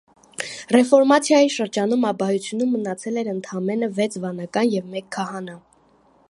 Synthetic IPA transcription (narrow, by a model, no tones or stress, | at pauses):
rɛfɔɾmɑt͡sʰjɑjiʃəɾd͡ʒɑnumɑbɑjut͡sʰjunumːənɑt͡sʰɛlɛɾənt̪ʰɑmɛnəvɛt͡sʰvɑnɑkɑnjɛvmɛkʰːɑɦɑnɑ